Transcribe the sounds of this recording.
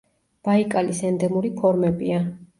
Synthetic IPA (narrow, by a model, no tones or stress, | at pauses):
b̥aikʼalisɛnd̪ɛmuɾipʰɔɾmɛbia